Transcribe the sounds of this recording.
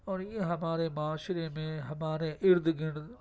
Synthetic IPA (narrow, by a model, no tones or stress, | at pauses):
ɔːɾjeɦɐmaːɾemaːʃɾemẽɦɐmaːɾeʔɪɾd̪ɡɪɽ